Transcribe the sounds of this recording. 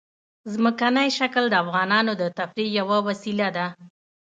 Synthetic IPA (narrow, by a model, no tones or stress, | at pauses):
zməkanəjʃakəld̪əafɣɑnɑnod̪ət̪afɾijawawasilad̪a